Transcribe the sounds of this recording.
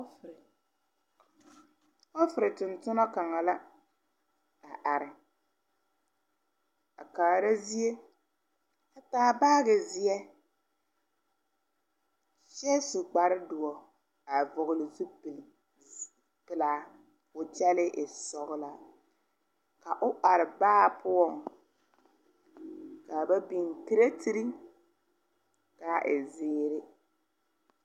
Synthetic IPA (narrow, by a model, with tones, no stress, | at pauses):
ɔ˦fɪ˨ɾɪ˨tʊ˨ntʊ˦nɔ˦ka˨ŋa˨la˦ | a˨ʔa˨ɾɪ˨ | a̰˨kaː˨ɾa˦zi˦e˦ | a˨taː˦˨baː˦ɣɛ˨zɪ˦ɛ˦ | ʃɛ˦su˨ɡ͡ba˨ɾɪ˦dʊ˨ɔ˨ | a˨vʊ˨ɣʊ˨lɪ˨zu˦˨ | pɪ˨la˦ | pʊ˨t͡ʃɛ˦lɪ˦ʔɪ˨sɔ˨ɣɪ˦la˨ | ka˨ʔʊ˦ʔa˨ɾɪ˨baː˦˨pʰʊ˦ɔ˦˨ŋ | ka˨ba˦bi˨ntɪ˦ɾe˦tʰi˦ɾi˦ŋ | ka˨ʔɪ˨zɪː˦ɾɪ˦